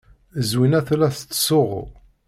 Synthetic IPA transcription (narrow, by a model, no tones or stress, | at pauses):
əzwinæθlæθt͡sːsʊʁ̰